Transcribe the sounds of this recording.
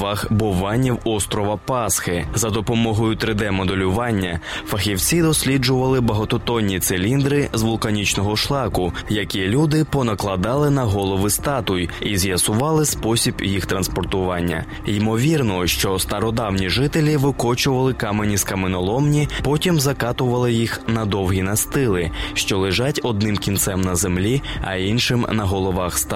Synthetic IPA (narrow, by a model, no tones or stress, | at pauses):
ɑxbɔʋɑnʲiwɔst̪ɾɔʋɐpɑsxɪzɐd̪ɔpɔmɔɦɔjʊt̪ɾɪd̪ɛmɔd̪elʲʊʋɑnʲːɐfɐxʲiwt͡sʲid̪ɔsʲlʲid͡ʒʊʋɐlˠɪbɐɦɔt̪ɔt̪ɔnʲːit̪selʲind̪ɾɪzʋʊlˠkɐnʲit͡ʃnɔɦɔʃlˠɑkʊjɐkʲilʲud̪ɪpɔnɐklˠɐd̪ɑlˠɪnɐɦɔlˠɔʋɪst̪ɑt̪ʊjizʲjɐsʊʋɑlˠɪspɔsʲibjixt̪ɾɐnspɔrt̪ʊʋɑnʲːɐ̰ | imɔʋʲirnɔʃt͡ʃɔst̪ɐɾɔd̪ɑwnʲiʒɪt̪elʲiʋɪkɔt͡ʃʊʋɐlˠɪkɑmenʲiskɐmenɔlˠɔmnʲipɔtʲimzɐkɑt̪ʊʋɐlˠɪjixnɐd̪ɔwɦʲinɐst̪ɪlˠɪʃt͡ʃɔlˠeʒatʲɔd̪̚nɪmkʲint̪sɛmnɐzemlʲiɐ̰inʃɪmnɐɦɔlˠɔʋɑxst̪